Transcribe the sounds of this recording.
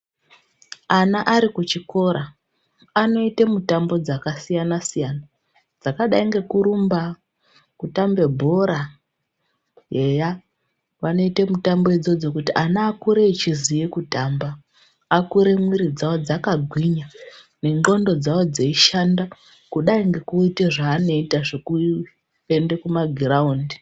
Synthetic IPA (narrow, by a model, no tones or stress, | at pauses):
anaʔaɾikut͡ʃiko̞ɾa | ano̞itemutambo̞d͡zakasijanasijana | d͡zakaɗaiŋɡe̞kuɾumba | kutambe̞bʱo̞ɾa | jeja | ʋano̞ite̞mutambo̞ed͡zo̞d͡zo̞kutiʔanaːkuɾe̞it͡ʃizijikutambaː | kuɾe̞mwiɾid͡zawo̞d͡zakaɡʱwiɲa | ne̞ŋ͡ǃɡo̞ndo̞d͡zawo̞d͡zeiʃanda | kuɗaiŋɡe̞kuiteʐaːno̞itaʐoku | ende̞kumaɡʱraundi